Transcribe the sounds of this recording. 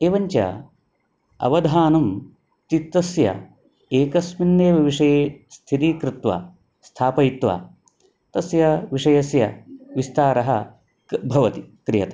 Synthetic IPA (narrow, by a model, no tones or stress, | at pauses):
eːʋɐɲt͡ʃɐ̰ | ɐ̰ʋɐd̪ʱaːnɐm | t͡ʃ̪it̪ːɐsjɐ̰ | eːkɐsminːeːʋɐʋiʂɐjest̪ʰiɾiːkɾɪt̪ʋa̰ | st̪ʰaːpɐjit̪ʋa̰ː | t̪ɐsjɐʋiʂɐjɐsjɐʋist̪aːɾɐɦɐ | bʱɐʋɐt̪ikɾijɐt̪ɐ